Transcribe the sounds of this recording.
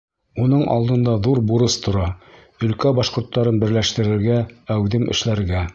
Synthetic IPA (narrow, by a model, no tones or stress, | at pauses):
unɤɴʔɑ̰lˠd̪ɤ̆nd̪ɑðuɾbuɾɤst̪ʰŏɾɑ | ɵ̆lkæbɑʃqŏɾt̪ːɑɾɤnbɘ̆ɾlæʃt̪ɘ̆ɾɘ̆ɾɡææwðɘmʔɘ̰̆ʃlæɾɡæ